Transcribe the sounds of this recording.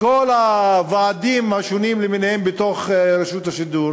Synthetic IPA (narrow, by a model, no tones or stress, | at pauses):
kolavaːdimhaʃonimleminehembet̪o̞χɾaʃut̪haʃid̪uɾ